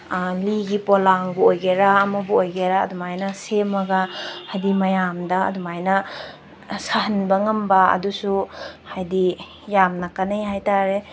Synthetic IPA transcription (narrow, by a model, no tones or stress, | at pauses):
liɡipolaŋbuojɡeɾaːmɐbuojɡeɾa̰ːdumajnɐsemɐɡahajdimɐjamdɐɐ̰dumajnɐ | sɐɦɐnbɐŋɐmbɐɐ̰dusuhajdi | jamnɐkanejɦajtaɾe